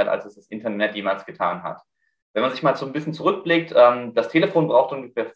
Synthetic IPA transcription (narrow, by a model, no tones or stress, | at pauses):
ɐta̰lsɛsd̥asʔɪntɐnɛtjeːmaːlsɡ̥ətʰa̰ːnɦa̰t | vɛnmanzɪçmaːlzunbɪsçənt͡suʁʏk̚b̥lɪk̚tʔɛːmd̥astʰeːləfoːnbʁaʊxtʔʊnɡəpɛːɐ